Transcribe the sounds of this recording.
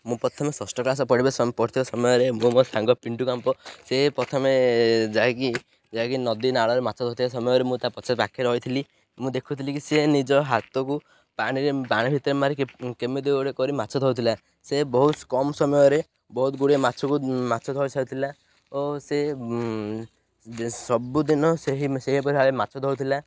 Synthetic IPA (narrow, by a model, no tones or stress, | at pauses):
mũpɾɔt̪ʰɔmesɔsʈɔklas̬ɔpɔɽibaspɔit̪ʰibasɔmɔjɔɾemũmɔsãŋɡɔpiɳʈukampɔsepɾɔt̪ʰɔmed͡ʒaɦek̬i | d͡ʒaekinɔd̪inaɭɔɾemat͡ʃʰɔt̪ɦɔut̪ʰias̬ɔmɔjɔɾemũt̪apɔt͡ʃasbakʰeɾɦɔjt̪ʰili | mũd̪ekʰut̪ʰilikisenid͡ʒɔɦat̪ɔku | paɽ̃iɾepaɽ̃ibʱit̪ɔɾemaɾikemed̪ewɽekɔɾimat͡ʃʰɔd̪ʱɔwt̪ʰila | sebɔɦut̪kɔmsɔmɔjɔɾe | bɔɦut̪ɡuɽemat͡ʃʰɔkumat͡ʃʰɔd̪ʱɔjt͡ʃʰaut̪ʰila | ose | sɔbud̪inɔseɦiseɦip̬ɔɾiaɭemat͡ʃʰɔd̪ʱɔwt̪ʰila